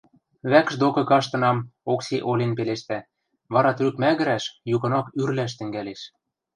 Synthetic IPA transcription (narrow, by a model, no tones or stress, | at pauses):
βækʃd̪okɤ̆kɑʃt̪ɤ̆nɑmokseʔolʲenpeleʃt̪æ | βɑɾɑt̪rykmæɣɘ̆ɾæʃjukɤ̆nɑkyrlæʃ̬t̪ɘ̆ŋɡæleʃ